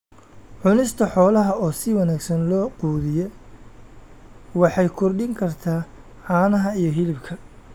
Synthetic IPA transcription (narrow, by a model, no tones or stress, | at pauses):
ʕʊnɪst̪ʰɐħɔːlɐɦɐɔːsɪwɑnæːɡsɐnlɔːquːðɪjɛ | wɑħɑjkʰɔrɖɪŋkʰɐrt̪ʰaː | ħɑːnɐɦɐijɔɦɪlɪbkʰɐ